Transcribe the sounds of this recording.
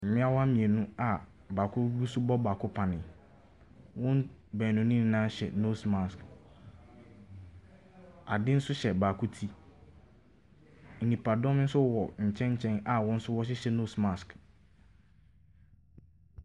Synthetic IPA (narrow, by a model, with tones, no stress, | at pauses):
m̩˨mɪ̃˦a˦wa˦mĩ˨ɛ˨nũ˦a˨ | baː˨kʰʊ˦ɾu˦su˦bɔ˦baː˨kʰʊ˦pʰã˨nɪ̃˨ | wʊ̃˦nbɛː˨nʊ̃˨nĩ˦n˨˦nãː˦ɕɛ̰˨no˦sma˨sk | a˨dɪ˦n̩˦sʊ˦ɕɛ˨baː˨kʰʊ˦tʰi˦˨ | nĩ˨pʰa˨dɔ̃˦m˦n̩˦sʊ˦wɔ˨ɲ̩˨t͡ɕʰɛ̃˦ɲ̩˦t͡ɕʰɛ̃˦na˨wɔ̃˦n̩˦sʊ˦wɔ˦ɕ̬ɛ˦ɕɛ˨no˦sma˨sk